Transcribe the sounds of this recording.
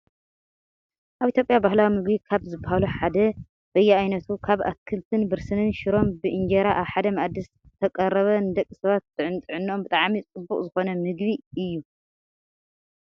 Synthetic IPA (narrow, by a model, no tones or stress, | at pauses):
ʔaβit̪ʰʲjo̞pʼjabahlawimɨɡbikʰaβzɨbːahaluħad̪ɐ | b̥ɐjːɛajnɐt̪ʰukʰaβa̰kʰɨlt̪ʰɨnbɨɾsɨnɨnʃɪɾo̞mbɨʔɨnd͡ʒeɾaʔaβħad̪ɐmɐʕad̪ːɨs | t̪ʰɐkʼɐrːɐβɐnɨd̪ɐkʼːisɐβat̪ːɨʕɨnt̪ʼɨʕɨnːo̞mbɨt̪ʼaʕmit͡sʼɨbːukʼzɨxo̞nɐmɨɡβiɨjːu